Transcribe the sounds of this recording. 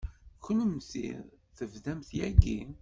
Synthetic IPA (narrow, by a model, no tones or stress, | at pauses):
kːənəmθḭð | θəvðæmθjæɡi